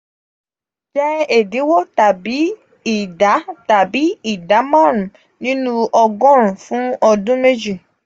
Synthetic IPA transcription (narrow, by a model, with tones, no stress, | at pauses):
d͡ʒɛ˦e˨di˨˦wo˦ta˨bi˨˦ | i˨da˨˦ta˨bi˨˦i˦˨da˨˦mã˦ɾ̃ũ˨ | nĩ˦nũ˦ɔ˧ɡɔ̃˦ɾ̃ũ˨fũ˨˦ɔ˧dũ˦me˦d͡ʒi˦˨